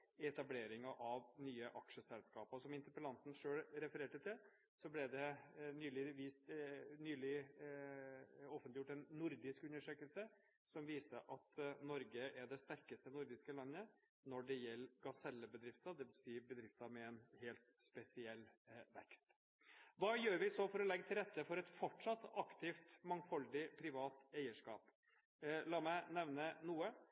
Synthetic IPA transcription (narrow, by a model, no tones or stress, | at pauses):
ɛt̪ɑbleːɾɪŋɑʔɑʋnyːəʔɑkʂəsɛlskɑːpəɔsɔmɪnt̪əpəlɑnt̪n̩ʂøːlɾɛfəɾeːʈət̪ʰɪl | sɔblɛd̪ɛnyːlɪʋiːst̪nyːlɪ | ɔfənt̪ɪjʊʈːɛnːʊɾd̪ɪskʉnːəʂøːkəlsə | sɔmʋiːsəʔɑt̪nɔɾɡəʔæɖɛst̪æɾkəst̪ənʊɾd̪ɪskəlɑnːə | nɔɖɛjɛlːɡɑsɛlːəbəd̪ɾɪft̪ɑd̪ɛʋɪsiːəbəd̪ɾɪft̪ɑmɛɛnheːlt̪spɛsɪɛlːʋɛkst̪ | ʋɑːjøːɾʋɪsɔfɔɾɔlɛɡːət̪ʰɪlɾɛt̪ːəfɔɾɛt̪fɔʈʂɑt̪ːɑkt̪ʰɪft̪mɑŋfɔld̪ɪpʰɾɪʋɑːt̪æɪəʂkɑ̰ːp | lɑːmæɪnɛʋnənuːə